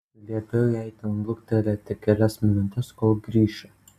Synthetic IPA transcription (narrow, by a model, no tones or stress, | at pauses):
lʲiɛbʲɛʊɛɪt̪ʲɪnlˠʊkt̪ʲɛlʲɛt̪ʲɪkʲɛlʲɛsmʲɪnʊt̪ʲɛskolˠɡɾʲiːʃʲɛ